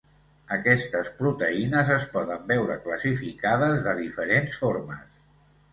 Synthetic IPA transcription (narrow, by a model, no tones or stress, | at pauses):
əkɛst̪əspɾut̪əinəzəspɔðəmbɛwɾə̰kləsifikaðəzðəðifəɾensfoɾməs